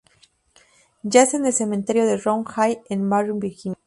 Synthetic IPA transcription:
d͡ʒaesenelsemẽnt̪eɾjo̞ðeroŋxajenmaɾumbiɾxiɲ

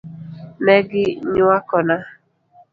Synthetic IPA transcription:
meɡɪɲʊakɔna

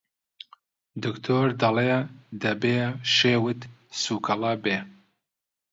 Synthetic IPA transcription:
d̪ɨkt̪ʰoːɾd̪ɐled̪ɐbeːʃeːwɨt̪suːkʰɐlɐbeː

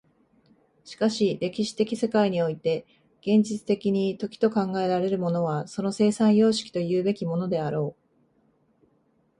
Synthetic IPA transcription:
ɕi̥kaɕiɾe̞kʲiɕi̥t̪e̞kʲise̞kaiɲ̟io̞it̪e̞ | ɡ̥ẽ̞ɲ̟d͡ʑit͡sɨ̥t̪e̞kʲiɲ̟it̪o̞kʲi̥t̪o̞kãŋɡae̞ɾaɾe̞ɾɯ̟mo̞no̞β̞aso̞no̞se̞ːsãɰ̃jo̞ːɕi̥kʲi̥t̪o̞jɯ̟ːbe̞kʲimo̞no̞d̪e̞aɾo̞ː

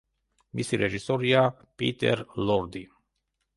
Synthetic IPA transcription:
misiɾeʒisoɾia | pḭt̪ḛrlord̪i

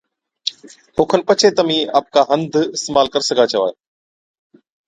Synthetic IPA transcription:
ɦoːkʰənpət͡ʃʰet̪əmĩːaːp̚kaːɦə̃nd̪ʱɪst̪eːmaːlkəɾsəɡʱaːt͡ʃəʋaː

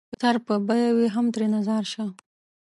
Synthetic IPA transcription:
t̪aɾpəbajawiɦamt̪ɾenazaɾʃa

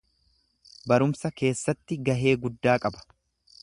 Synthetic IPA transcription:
bɐɾʊmsɐke̞ːsːɐt̪ːɪɡɐɦe̞ːɡʊd̪ːaːkʼɐbɐ̥

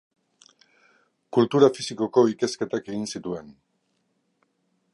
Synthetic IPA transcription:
kult̪uɾafisiko̞ko̞ike̞ske̞t̪ake̞ɣinsit̪ue̞n

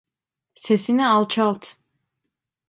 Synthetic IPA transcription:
sesinɛɑlˠt͡ʃʰɑlˠt̪ʰ

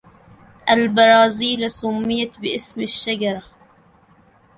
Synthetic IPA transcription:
ʔalbɑɾˤɑːziːlsʊmːɪjat̪bɪʔɪsmaʃːad͡ʒɑɾˤɑ

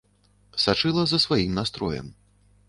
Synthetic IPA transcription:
sat͡ʂɨlˠɐzɐsvajimnast̪ɾɔjɛ̰m

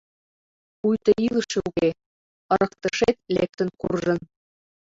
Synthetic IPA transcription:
pujt̪ɤ̆ilˠɤ̆ʃĕuɣe | ɤ̆ɾɤ̆kt̪ɤ̆ʃet̪̚lek̚t̪ɘ̆nkurʒɤ̆n

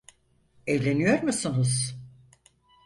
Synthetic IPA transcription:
ɛvlʲe̞nijo̞ɾmusunuz

